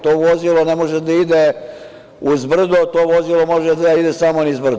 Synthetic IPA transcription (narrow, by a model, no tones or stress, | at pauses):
t̪oʋozilˠo̞nemoʒed̪aid̪e | uzbr̩d̪ot̪oːʋo̞zilo̞mo̞ʒed̪aid̪esamonizbr̩d̪